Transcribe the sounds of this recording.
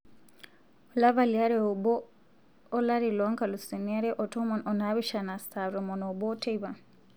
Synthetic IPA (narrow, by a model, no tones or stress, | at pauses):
ulaβaliaɾeoboː | laɾiloŋkalusiniaɾeʔotomononaβiʃanastaβɾomonobotʰeiβa